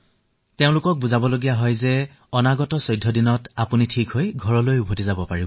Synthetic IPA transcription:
teʊ̃lʊkɔk̚buzabɔloɡijaɦɔjzɛ | ɔnaɡɔtɔsɔjdʱːɔdinɔtapunitʰikɦojɡʱɔɹɔlojubʱotizabɔpaɹibɔ

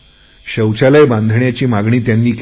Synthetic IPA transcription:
ɕəwt͡ɕaləjbãnd̪ʱɳjat͡ɕiːmaɡɳiːt̪janːiːk

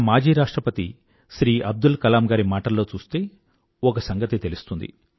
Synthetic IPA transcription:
maːd͡ʒiːɾaːʂʈɾɐpɐt̪ḭ | ʃɾiːʔɐb̚d̪ulkɐlaːmɡaːɾimaːʈɐlːoːt͡ʃuːst̪e̞ː | ɔkɐsɐŋɡɐt̪it̪elust̪und̪ḭ

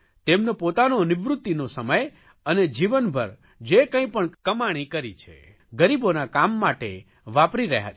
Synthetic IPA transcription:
t̪emnepot̪anonɪʋɾut̪ːinosəməj | əned͡ʒiʋənbʱəɾ | d͡ʒekə̃ĩpəɳkəmaɽ̃ikəɾit͡ʃʰḛ | ɡəɾibonakamːaʈḛ | ʋapɾiɾə̰ɦja̰

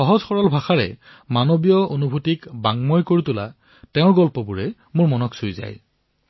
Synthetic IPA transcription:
xɔɦɔzxɔɹɔlbʱaxaɹɛ̰ | manobijɔonubʱutikbaŋmɔjkoɹitʊla̰ | tɛʊ̃ɹɡɔlpɔbuɹɛ | mʊɹmɔnɔksojza̰j

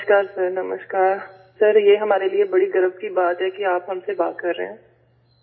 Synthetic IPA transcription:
ʃkaːɾsɐɾnɐmə̰ʃʈkaːɾ | sɐɾjeɦɐmaːɾeliebɐɽiɡɐɾəfkibaːt̪ɦɛkiaːpɦɐmseba̰ːt̪̚kɐɾːḛɦɛ̃ː

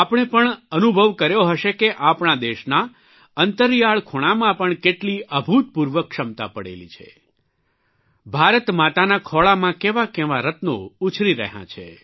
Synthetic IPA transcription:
apɳ̃epəɳənubʱəʋkəɾjoɦəʃekeʔapɳad̪eʃna | ənt̪əɾijaɭkʰoɽ̃amãpəɳkeʈliʔəbʱut̪̚puɾʋəkʃəmt̪a̰pəɽḛlḭt͡ʃʰḛ | bʱaɾət̪mat̪anakʰɔɭamãkeʋakeʋaɾət̪nout͡ʃʰɾiɾə̰ɦã̰t͡ʃʰḛ

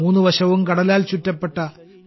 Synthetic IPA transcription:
uːnːɨʋɐɕɐʋumkɐɽɐlaːlt͡ɕutːɐpːe̞ʈːɐ

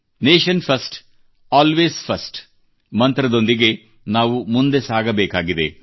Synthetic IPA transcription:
neːʃɐnpʰɐsʈ | aːlʋeːspʰɐsʈ | mɐnt̪ɾɐd̪o̞nd̪iɡe̞ | naːʋumund̪e̞saːɡɐbɛːkaːɡid̪e

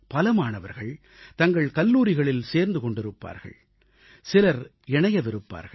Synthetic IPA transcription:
pɐlɐmaːnɐʋɐ̰ɾɣɐɭ | t̪ɐŋɡɐɭkɐlːuːɾɪɣɐɭɪlseːɾnd̪ɯkɔɳɖɪɾɯpːa̰ːɾɣɐ̰ɭ | sɪlɐɾ | ɛɳɐjɐʋɪɾɯpːa̰ːɾɣɐɭ

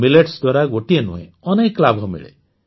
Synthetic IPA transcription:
mileʈsd̪waɾaɡoʈienṵɦḛ̃ | ɔnekːlabʱɔmḭɭḛ

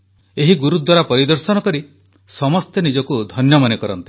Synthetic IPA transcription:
eɦiɡuɾut̪̚d̪ʱwaɾapɔɾid̪ɔɾsɔnɔkɔɾi | sɔmɔst̪enid͡ʒɔkud̪ʱɔnjɔmanekɔɾɔ̰nt̪i̥

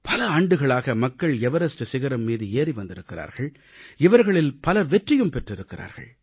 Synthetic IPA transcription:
pɐlɐaːɳɖɯɣɐɭaːɣɐmɐkːɐɭɛʋɐɾɐsʈɯsɪɣɐɾɐmmiːðɯeːriʋɐnd̪ɪɾɯkːɪɾa̰ːɾɣɐɭ | ɪʋɐɾɣɐɭɪlpɐlɐɾʋɛʈrɪjɯmpɛʈrɪɾɯkːɪɾʔa̰ːɾɣɐ̰ɭ

